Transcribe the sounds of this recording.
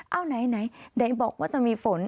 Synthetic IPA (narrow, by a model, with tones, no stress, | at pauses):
ʔa˧˩wna˨˩jna˨˦jɗa˨˦bɔ̰˧˨k̚mɔ˦ɔ˧mi˧˩fo˨˦n